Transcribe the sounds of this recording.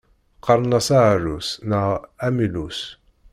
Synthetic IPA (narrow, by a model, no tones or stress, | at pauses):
qɑɾˤnasaʕɾusnaæmilus